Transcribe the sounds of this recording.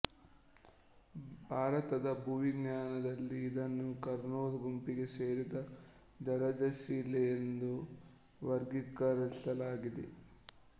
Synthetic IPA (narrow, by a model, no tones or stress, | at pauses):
bʱaːɾɐt̪ɐd̪ɐbʱuʋiɡɲaːnɐd̪ɐlːiːd̪ɐnːukɐɾnoːd̪ɐbʱɐmpiɡe̞se̞ːɾid̪ɐ | d͡ʒɐɾɐd͡ʒɐʃiːlejend̪u | ʋɐɾɡikːɐɾɐsɐlaːɡid̪ḛ